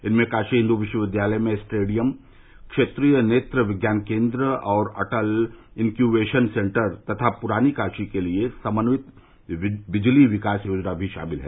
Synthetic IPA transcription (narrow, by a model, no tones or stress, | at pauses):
ɪnmẽkaːʃiɦɪ̃nd̪uʋɪʃwəʋɪd̪ʱjaːləjmẽsʈeːɖijəm | kʃeːt̪ɾiːjəneːt̪ɾəʋɪɡjaːnkẽːnd̪ɾəɔːɾɐ̰ʈəlɪnkjubeːʃənsẽːɳʈəɾt̪ɐt̪ʰapʊɾaːnikaːʃikeliesɐmənʋɪt̪ | ʋɪd͡ʒliʋɪkaːsjoːd͡ʒnabʱiʃa̰ːmɪlɦɛ̰ː